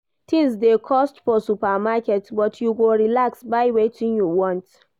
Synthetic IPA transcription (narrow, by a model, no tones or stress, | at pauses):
tʰizdekʰɔstfɔsupamakɛtbɔtʰjuɡoɹilaksbaɪwetʰĩnjuwɔ̃nt